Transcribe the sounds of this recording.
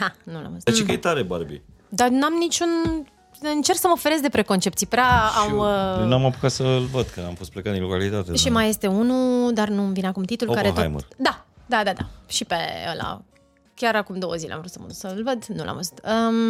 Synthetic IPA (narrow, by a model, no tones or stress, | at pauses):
hanula̰mvəzut͡ʃekeet̪aɾebaɾbḭ | d̪anamnit͡ʃun | ɨnt͡ʃerksəməofeɾe̞s̬d̪e̞pɾe̞ko̞nt͡ʃe̞pt̪sijpɾʲaamənuamapu̥kat̪səɨlvəd̪̚kɨnamfost̪plekat̪inlokalit̪at̪eʃimaje̞st̪e̞unud̪arnumvineakumt̪it̪ulkaɾeɦ̪o̰jmə̰d̪ad̪ad̪ad̪a̰ʃipḛḛla̰ | kʲaɾakumd̪o̞wəzilḛa̰mvɾut̪səməut̪səlvəd̪nulʔa̰mvəzu̥t̪əm